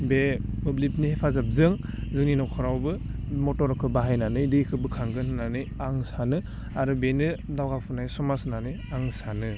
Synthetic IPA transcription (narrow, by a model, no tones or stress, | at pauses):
bemɯblip̚nihepʰazap̚zɯŋ | zɯŋninɔwkʰɔɾawbɯmɔtɔɾkʰɯbaɦajnanɯjdikʰɯbɯkʰaŋɡɯnɯnanɯjaŋsanɯ | aɾɯbenɯdawɡawpʰɯnajsɔmasɯnanɯjaŋsanɯ